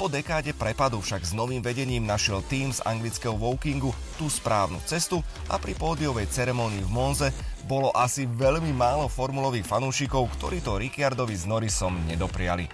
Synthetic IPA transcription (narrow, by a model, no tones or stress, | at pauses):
pɔd̪ɛkaːɟɛpɾɛpad̪ufʃaɡznɔʋiːmʋɛɟɛɲiːmnaʃɪɛlt̪iːmza̰ŋɡlit͡skɛɦɔʋɔʊkiŋɡu | t̪uspɾaːʊnṵːt͡sɛst̪u | a̰pɾipɔːd̪ijɔʋɛjt͡sɛɾɛmɔːniːvmɔnzɛbɔlɔʔasiʋɛʎmimaːlɔfɔɾmulɔʋiːxfanuːʃikɔʊkt̪ɔɾiːt̪ɔɾikɪaɾd̪ɔʋiznɔɾisɔmɲɛd̪ɔpɾɪalḭ